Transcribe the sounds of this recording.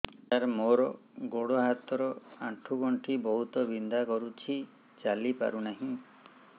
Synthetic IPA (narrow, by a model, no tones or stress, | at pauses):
aɾmoɾɔ | ɡoɽɔɦat̪ɔɾɔaʈʰuɡɔɳʈʰibɔɦut̪ɔbind̪akɔɾut͡ʃʰi | t͡ʃalipa̰ɾunaɦĩ